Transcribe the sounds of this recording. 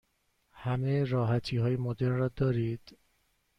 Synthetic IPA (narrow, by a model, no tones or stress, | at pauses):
hæmeɾɒːɦæt̪ʰiːɦɒːjemod̪eɾnrɒːd̪ɒːɾiːd̪̥